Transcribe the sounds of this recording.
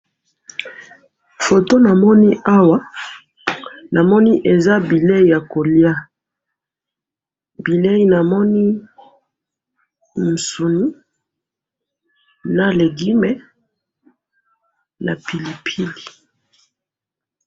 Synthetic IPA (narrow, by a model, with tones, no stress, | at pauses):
fo˨to˦na˨mɔ˦ni˦ʔa˦wa˦ | na˨mɔ˦ni˦ʔe˨za˦bi˨le˦i˦˨ja˨ko˨lja˦ | bi˨le˦i˦na˨mɔ˦ni˦ | m̩˨su˨ni˦ | na˨le˨ɡi˦me˦ | na˨pʰi˨li˨pʰi˦li˨